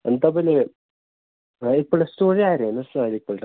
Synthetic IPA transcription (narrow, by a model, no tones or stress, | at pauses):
end̪aːpole | ipːoːɭːestoːriaːjɾeːnɐsaːlipːoɭʈ